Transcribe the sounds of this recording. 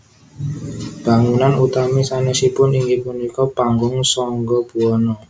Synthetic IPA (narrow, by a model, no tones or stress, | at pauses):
b̥a̤ŋunanut̪amisanɛsipʊniŋɡipunikɔpaŋɡʊŋsɔŋɡɔb̥uɔnɔ